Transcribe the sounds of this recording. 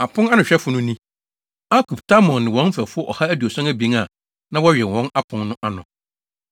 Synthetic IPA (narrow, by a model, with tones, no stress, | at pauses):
a˨pʰʊ̃˦na˦nʊ̃˨ɕᶣɛ˦fʊ˨nʊ̃˦nĩ˦ | a˦kʰu˨ptʰa˦mɔ̃˨nnɪ̃˨wɔ̃˦n˦fɛ˨fʊ˦ɔ˦ʔɔ̰˨ha˦æ˦du˨ɔ˨sã˦ŋæ˦bĩ˨˦ŋa˨ | nã˦wɔ˦ɥᶣɛ˨nwɔ̃˦na˦pʰʊ̃˨˦nnʊ̃˦ʔa˦nʊ̃˨